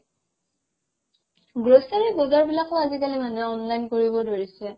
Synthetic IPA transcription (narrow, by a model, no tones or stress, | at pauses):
ɡɹosaɹɛjbɔzaɹbilakoazikalimanɛɔnlajnkoɹibɔdoɹisɛ